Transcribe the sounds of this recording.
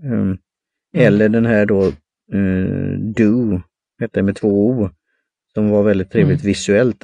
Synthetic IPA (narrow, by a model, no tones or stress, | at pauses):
ɛlːəɖɛnɦæːɖo | d̪ʉ | heːt̪ːədɛmɛt̪ʰvoːuː | sɔmvaɾvɛld̪ɪt̪ʰːɾeːvlɪt̪vɪsɵɛlt̪